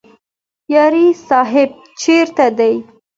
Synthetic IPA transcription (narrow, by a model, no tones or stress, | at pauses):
jɑɾisɑɦɪb̚ | t͡ʃeɾt̪ad̪aj